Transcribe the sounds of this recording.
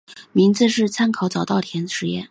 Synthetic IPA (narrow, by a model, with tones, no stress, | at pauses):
mi˧˥ŋd͡zɹ̩˥˧ʂɻ̩˥˩t͡sʰa˥nkʰɑ˨˥ʊt͡sɑ˨˩ʊt̪ɑ˥˩ʊt̪ʰjɛ˧˥nʂɻ̩˧˥jɛ̰˥˩n